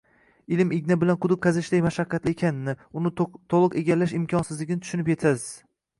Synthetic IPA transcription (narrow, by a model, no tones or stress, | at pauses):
ɪlɪmɪɡʲnabɪlanqʰʊd̪ɨp̚qʰazɪʃd̪ajmaʃaqʰːɑt̪lɪekʰʲanɪnɪʊnɪt̪ʰolˠɨqe̞ɡʲalːaʃɪmkʲʰɒnsɪzlɪɡʲnɪt̪ʰʊ̥ʃʊnɪpje̞t̪ʰaz̥